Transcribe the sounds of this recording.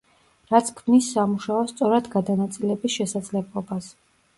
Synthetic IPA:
ɾat̪sʰkʰmisːamuʃaɔst̪sʼɔɾad̪ɡad̪anat̪sʼilɛbisʃɛsad̪zlɛblˠɔbas

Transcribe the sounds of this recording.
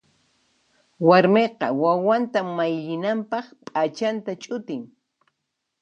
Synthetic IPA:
waɾmeqɑwawant̪amːajʎɪnampɑχpʼat͡ʃant̪at͡ʃʼʊt̪ɪŋ

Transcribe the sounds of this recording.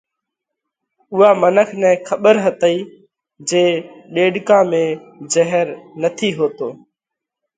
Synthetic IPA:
ʊɦaːmənəkʰnɛ̃ːkʰəɓəɾɦət̪əiː | d͡ʒẽːɗeːɖkãːmẽːd͡ʒəɦəɾnət̪ʰiːɦoːt̪oː

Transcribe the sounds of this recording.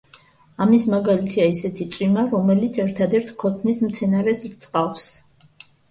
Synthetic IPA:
amismaɡalit̪ʰiaisɛt̪ʰit̪sʼimaɾɔmɛlit̪sʰɛɾt̪ʰad̪ɛɾt̪ʰkʰɔt̪ʰnismt̪sʰɛnaɾɛsik̚t̪sʼqʼafs

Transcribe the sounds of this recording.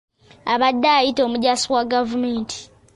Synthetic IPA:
aβadːaːjito̞ːmuɟaːsiwaɡavumeːntʰi̥

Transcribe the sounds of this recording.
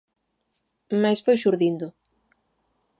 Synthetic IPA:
majsfojʃuɾðind̪ʊ

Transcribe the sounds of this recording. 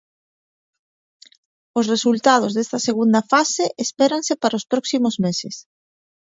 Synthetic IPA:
osresult̪að̞ozðest̪ɐseɣund̪ɐfaseʔespeɾaŋsepaɾaospɾɔksimozmeses

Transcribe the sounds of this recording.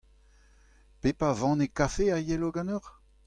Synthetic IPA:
pepavɑ̃nekafeajɛloɡɑ̃nøʁ

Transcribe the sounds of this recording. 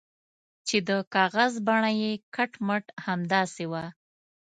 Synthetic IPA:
t͡ʃed̪əkɑɣazbaɳajekaʈməʈhamd̪ɑsewa

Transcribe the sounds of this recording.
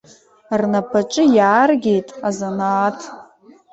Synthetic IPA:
rnapʰat͡ʃʼɨjaːrɡʲe̞jtʼazanaːtʰ

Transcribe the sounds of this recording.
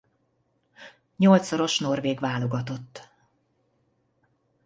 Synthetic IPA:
ɲo̞lt̪soɾo̞ʃno̞rveːɡʋaːlo̞ɡɒt̪o̞t̪ː

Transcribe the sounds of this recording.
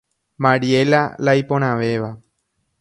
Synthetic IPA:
mãɾiela̰lajpõñãʋe̞ʋa

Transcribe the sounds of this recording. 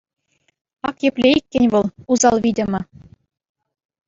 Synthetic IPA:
ɑkjɘ̆pʲlʲeikʲːɘ̆nʲʋɤ̆lˠuzɑlˠʋʲidʲɘ̆mʲɤ̆

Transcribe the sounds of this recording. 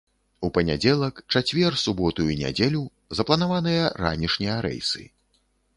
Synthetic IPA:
upɐnʲad͡zʲɛlˠɐkt͡ʂat͡sʲvʲɛrsubɔt̪ujunʲa̰d͡zʲelʲu | zɐplˠɐnavanɨjɐɾa̰nʲiʂnʲijɐɾɛ̰jsɨ̰

